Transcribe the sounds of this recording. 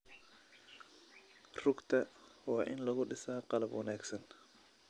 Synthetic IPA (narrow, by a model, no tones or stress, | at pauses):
r̥ʊɡt̪ʰɐwɑːʔɪnlɐɣʊɖɪsaːqɑlɐbwɑnaːɡsɐn